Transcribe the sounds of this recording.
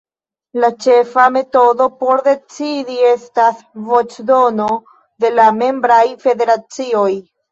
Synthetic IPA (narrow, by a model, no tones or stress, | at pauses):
lat͡ʃe̞fame̞to̞do̞po̞ɾde̞t͡sidie̞stasvo̞t͡ʃdo̞no̞ | de̞lame̞mbɾajfe̞de̞ɾat͡sio̞j